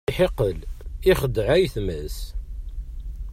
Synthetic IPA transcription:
ħeqəliχəd̪ʕæjθmæs

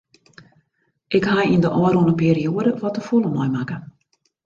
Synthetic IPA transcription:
ʔɪkhajindəʔɔəɾunəpiːɾioədəʋɔtəfulˠəmɔjmakə

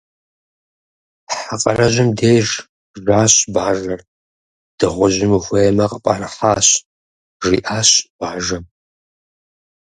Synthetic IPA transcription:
ħaqʼɐrɐʒʷɪmdeːʐ | ʒaːɕʼbaːʒɐr | d̥ɨʁʷʊʒɪmuxʷɐjɛmɐqʼəpʼaːrɨħaːɕ | ʒiːʔaːɕb̥aːʒɐ

